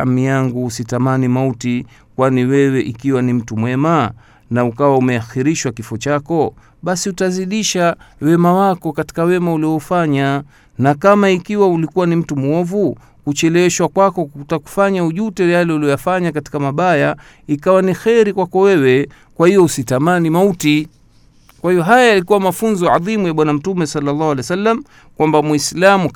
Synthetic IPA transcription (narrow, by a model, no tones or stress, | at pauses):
amijaŋɡuːsitamanimauti | kwaniwɛwɛʔikiwanim̩tumwɛma | naukawaumɛaxiɾiʃwakifɔt͡ʃakɔ | ɓasiutaziɗiʃawɛmawakɔkati̥kawɛmauliɔfaɲa | nakamaikiwaulikuwanim̩tumuɔvu | kut͡ʃɛlɛwɛʃwakwakɔktaku̥faɲauʄutɛjalɛuliɔjafaɲakati̥kamaɓaja | ikawanixɛɾikwakɔwɛwɛ | kwahijɔusitamanimauti | kwahiɔɦajajalikuwamafunzɔʕa̰ðimujaɓwanam̩tumɛsalːalːɑːhwalɛjsalːam | kwambamwislamu